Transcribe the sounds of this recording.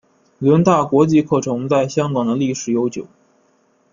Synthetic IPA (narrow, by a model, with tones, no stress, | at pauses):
lə˧˥nt̪a˥˩kwɔ˧˥t͡ɕi˥˧kʰɤ˥˩ʈ͡ʂʰɤ˧˥ŋt͡sa˥˩ɪɕjɑ˥ŋkɑ˨˩ŋd̪ə˦li˥˩ʂɻ̩˨˩jo˧˥ʊt͡ɕjo˨˩˦ʊ